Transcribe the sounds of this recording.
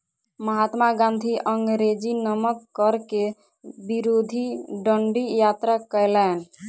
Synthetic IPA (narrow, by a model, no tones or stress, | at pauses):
məɦat̪maɡãnd̪ʱiʔəŋɡɾed͡ʒinəməkːəɾke | biɾod̪ʱiɖəɳɖijat̪ɾakəjlɛn